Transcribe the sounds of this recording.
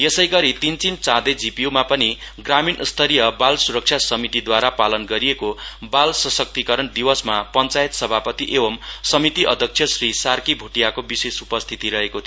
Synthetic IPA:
jesʌjɡʌɾit̪int͡sint͡sãd̪ed͡zipiumapʌniɡraminst̪ʰʌɾijʌbalsuɾʌk̚t͡ʃʰjasʌmit̪id̪waɾapalʌnɡʌɾijekobalsʌsʌk̚t̪ikʌɾʌnd̪iwʌsmapʌnt͡sajet̪sʌbʱapʌt̪iʔebʌmsʌmit̪iʔʌ̰d̪ʱjʌk̚t͡sʰjʌsrisarkibʱuʈijakobisesupʌst̪ʰit̪iɾʌɦekot̪ʰ

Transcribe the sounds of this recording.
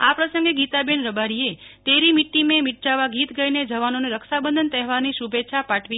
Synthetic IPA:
apɾəsə̃ŋɡeɡit̪abenɾəbaɾiet̪eɾimiʈːimẽmiʈt͡ʃaʋaɡit̪ɡəined͡ʒəʋanoneɾəksabənd̪ʱənt̪ɛɦʋaɾniʃubʱetːʃʰapaʈʰʋi

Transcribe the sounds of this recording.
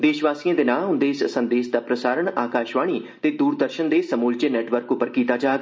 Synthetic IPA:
d̪eːʃʋaːsiãːd̪eːnãːɦʊ̃nd̪eːɪssənd̪eːʃd̪aːpɾəsaːɾəɳaːkaːʃʋaːɽ̃iːt̪eːd̪uːɾd̪əɾʃənd̪eːsəmuːld͡ʒeːnɛːʈʋəɾkʊpːəɾkiːt̪aːd͡ʒaːɡ

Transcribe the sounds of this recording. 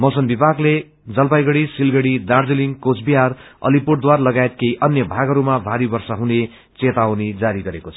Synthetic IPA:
mʌsʌnbibʱaɡle | d͡zʌlpajɡʌɽisilɡʌɽid̪ard͡zeliŋkot͡sbiɦarʌ̰lipurʈd̪waɾlʌɡaet̪̚kejʔʌnjʌbʱaɡʌɾumabʱaɾibʌrsʌɦune | t͡set̪awned͡zaɾiɡʌɾekot͡sʰʌ

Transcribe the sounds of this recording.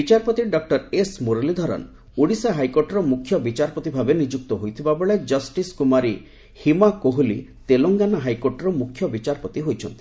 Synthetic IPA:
bit͡ʃaɾpɔt̪iɖɔk̚ʈɔɾesmoɾelid̪ʱɔɾɔ̰n | uɽisaɦajkoʈɔɾɔmukʰːjɔbit͡ʃaɾpɔt̪ibʱabenid͡ʒuk̚t̪ɔɦojt̪ʰibabeɭed͡ʒʌsʈiskumaɾi | himakoɦulḭt̪eloŋɡanɔɦajkoʈɔɾɔmukʰːjɔbit͡ʃaɾpɔt̪iɦojt͡ʃʰɔnt̪i̥

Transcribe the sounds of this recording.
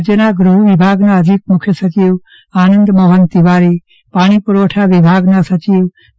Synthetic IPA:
d͡ʒənaɡɾuɦuʋibʱaːɡnaɦəd̪ʱik̚mʊkʰjəsət͡ʃiːw | aːnənd̪mɐɦənt̪iʋaːɾi | paːɽ̃ipuɾʋoʈʰaʋibʱaːɡnasət͡ʃiːw

